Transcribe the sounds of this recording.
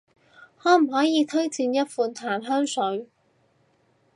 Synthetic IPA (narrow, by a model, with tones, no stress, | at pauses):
hɔː˨˥m̩˨˩ɦɔː˨˥jiː˨˧t̪ʰɵ˥ɥt͡siː˧njɐ˥t̚fuː˧nt̪ʰaː˨˩nɦœː˥ŋsɵ˨˥ɥ